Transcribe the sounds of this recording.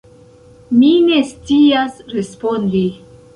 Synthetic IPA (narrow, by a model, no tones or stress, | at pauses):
mine̞st͡siasɾespo̞ndi